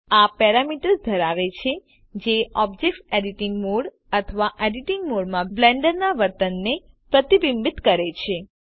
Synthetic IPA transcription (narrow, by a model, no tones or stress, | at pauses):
apɛɾamiʈəɾsd̪ʱəɾaʋet͡ʃʰe | d͡ʒeɔbd͡ʒekseɖiʈiŋɡmoɽ | ət̪ʰəʋaʔeɖiʈiŋɡmoɽmãblɛɳɖəɾnaʋəɾt̪ənːe | pɾət̪ibimbit̪kəɾet͡ʃʰe